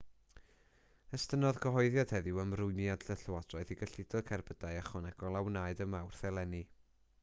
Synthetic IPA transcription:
əstənɔðɡʰəɦɔɨðjad̥hɛðɪwəmrʊɨnjadɬəɬəwadrɔɨðiɡəɬɪdɔkʰɛrbədajaχɔnɛɡɔlˠawnajdəmawrθɛlˠɛni

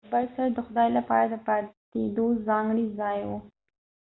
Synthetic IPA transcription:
baɾsaɾd̪əxʊd̪ɑjlapɑ̰ɾad̪əpɑt̪ed̪ozɑŋɡɽizɑjwu

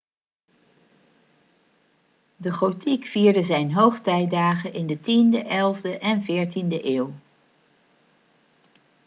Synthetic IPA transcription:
dəχotikfiːɹdəzɛjnɦowχtɛjdaːχəʔɪndətindəʔɛlˠvdəʔɛnvɪːɹtindəʔɪːw

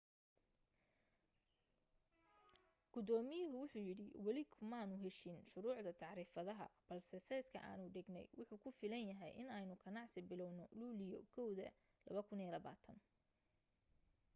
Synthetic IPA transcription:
ɡ̥ʊd̪ɔːmɪjɪɦʊwʊħuːjɪɽɪwɐlɪkʰʊmaːnʊɦɛʃɪnʃʊɾuːʕd̪ɐt̪ʰɑʕɾiːfɐðɐɦɐ̰b̥ɐlsɛsɛskʰɐ̰ʔa̰ːnʊɖɪɡnɛ̰jwʊħuːkʰʊfɪlɐnjɐɦɛjʔɪnɛjnʊɡʰɐnɑʕsɪbɪlɔwnɔluːlɪjɔ̰kʰɔwðɐ̰ | lɐβɐkʰʊniːlɐβa̰ːt̪ʰɐn

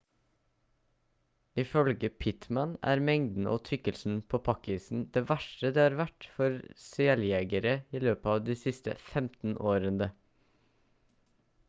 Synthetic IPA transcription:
ɪfœlɡəpʰɪt̪mænæ̰ːɾmɛŋd̪n̩ʔo̰ːt̪ʰʏkəlsn̩pʰoːpʰɑkɪsn̩d̪̥eːʋæʃʈəd̪eːhɑːɾʋæʈfɔɾsɪɛljɛɡəɾəiːløːpəɑːʋd̪iːsɪst̪ə̰fɛmt̪n̩ʔoːɾənd̪ə

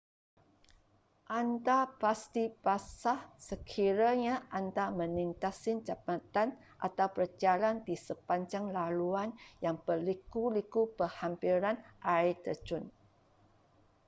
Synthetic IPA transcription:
ʔandapast̪ipasahsəkʰiɾaɲaʔandamə̃nint̪asɪnt͡ʃapat̪an | ʔa̰t̪awpərd͡ʒalandisəpaɲd͡ʒaŋlaluanjaŋpəlikulikupəhampiɾanʔait̪əd͡ʒʊn

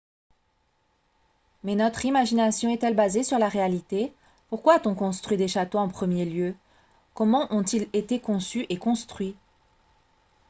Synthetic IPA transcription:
mɛnɔt̪χimaʒinasjɔ̃ɛt̪ɛlbazesyʁlaʁealit̪e | puʁkwaːt̪ɔ̃kɔ̃st̪χɥid̪eʃat̪oɑ̃pχəmjeljø | kɔmɑ̃ʔɔ̃t̪ilet̪ekɔ̃syʔekɔ̃st̪χɥi

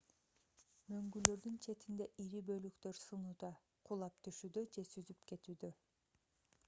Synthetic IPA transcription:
mø̞ŋɡylø̞ɾd̪ynt͡ʃʰe̞t̪ind̪e̞ʔiɾibø̞lykt̪ø̞ɾsɯnuːd̪ɑ | qʰulˠɑp̚t̪ʰyʃyːd̪ød͡ʒe̞syzypke̞t̪yːd̪ø̞

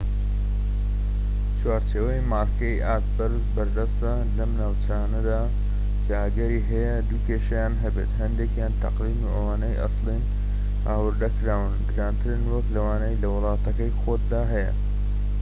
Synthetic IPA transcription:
t͡ʃwaːɾt͡ʃeːwɐjmaːɾkʰɐjʔaːt̪̚bɐɾzbɐɾd̪ɐst̪ɐ | lɐmnaːwt͡ʃaːnɐd̪aː | kʰɐɐɡɐɾiːɦɐjɐd̪uːkeːʃɐjaːnɦɐbeːt̪ɦɐnd̪eːkjaːnt̪ʰɐ̰qliːnuʔɐwaːnɐjʔɑ̰slin | ʔaːwɨɾd̪ɐkɾaːwɨnɡɨɾaːnt̪ʰɨɾɨnwɐklɐwaːnɐjlɐwɨlˠɑːt̪ɐkɐjxoːt̪̚d̪aːɦɐjɐ̰

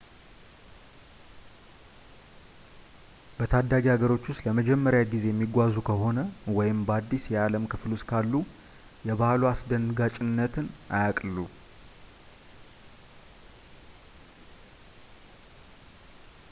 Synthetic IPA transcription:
b̥ət̪ʰad̪ːaɡihaɡəɾo̞t͡ʃːuʊst̪ləməd͡ʒɛmːəɾjaɡize̞jɛmːiɡʷazukʰəɦo̞nəwɔjɪmbad̪ːisjɛaləmkʰɨfluʊskʰalːu | jɛβahluasd̪ənɡat͡ʃʼɪnːət̪ʰɨnʔajakʼlu

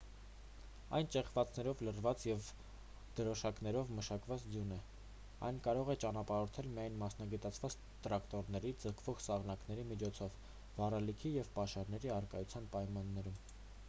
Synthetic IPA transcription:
ɑ̰jnt͡ʃɛχvɑt͡snɛɾɔvlərvɑt͡sjɛv | d̪̥əɾɔʃɑknɛɾɔvməʃɑkvɑt͡sd̪junɛ | ɑ̰jnkɑɾɔʁɛt͡ʃɑnɑpɑɾɔɾt̪ʰɛlmijɑjnmɑsn̪ɑɡɛt̪ɑt͡sʰvɑt͡s | t̪ɾɑkt̪ɔɾnɛɾid͡zəkʰvɔʁsɑʁnɑknɛɾimit͡ʃʰɔt͡sʰɔv | vɑrɛlikʰijɛvpɑʃɑɾnɛɾiɑɾkɑjut͡sʰjɑnpɑjmɑnːɛɾum

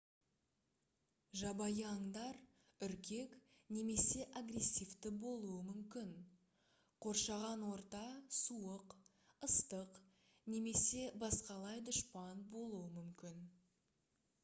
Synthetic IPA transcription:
ʒɑbɑjəɑŋd̪ɑɾ | ʏɾkʲe̞kne̞me̞se̞ʔaɡre̞sʲːijft̪ɪbo̞lˠuəmʏmkʲɪn | qʰo̞ɾʃɑʁɑnwo̞ɾt̪ɑsuəq | əst̪əq | ne̞me̞se̞bɑsqɑlˠɑjd̪ʊʃpɑnbo̞lˠuwəmʏmkʲɪn

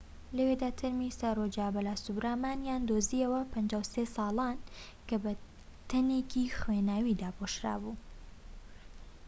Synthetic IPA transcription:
lɐwed̪at̪ʰɐɾmisarod͡ʒaːbɐlaːsubɾaːmaːnjaːnd̪oːziəwɐpʰɐnd͡ʒaːwsesɑːlˠan | kɐbɐ | t̪ʰɐnekixwenaːwid̪aːboʃɾa̰ːbu

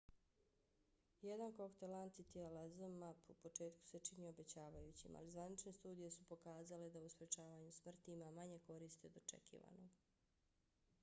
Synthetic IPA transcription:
jed̪ankokt̪elant̪sit̪ialazomːapupo̞t͡ʃe̞ːt̪ku̥se̞t͡ʃiniobe̞t͡ɕaːʋajut͡ɕḭmʔa̰lizʋanit͡ʃne̞st̪uːd̪ijesupo̞kaːzale̞d̪auspɾe̞t͡ʃaːʋaɲusmr̩t̪iimamaɲe̞ko̞ɾiːst̪id̪ot͡ʃḛkḭːʋa̰no̞ɡ

